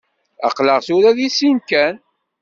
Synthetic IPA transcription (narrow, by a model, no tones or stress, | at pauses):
æ̰qləʁθuɾæðisinkæn